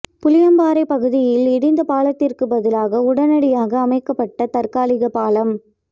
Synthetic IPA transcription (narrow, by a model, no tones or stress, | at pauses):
pʊlɪjɐmbaːɾɐɪpɐɣɯðɪjɪlɛɽɪnd̪ɐpaːlɐt̪ːɪrkɯbɐðɪlaːɣɐʊɽɐnɐɽɪjaːɣɐːmɐɪkːɐpːɐʈːɐt̪ɐrkaːlɪɣɐpaːlɐm